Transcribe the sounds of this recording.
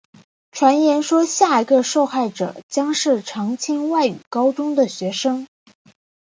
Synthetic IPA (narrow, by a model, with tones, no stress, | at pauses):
ʈ͡ʂʰwa˧˥njɛ˧˥nʂwɔ˥ɕja˥˩i˧˥ɡə˧ʂo˥˧ʊxa˥˩ɪʈ͡ʂɤ̰˨˩˦t͡ɕjɑ˥ŋʂɻ̩˥˩ʈ͡ʂʰɑ˧˥ŋt͡ɕʰɛ˥nwa˥˩ɪy̰˨˩kɑ˥ʊʈ͡ʂʊ˥ŋd̪ə˨ɕɥɛ˧˥ʂɤ˥ŋ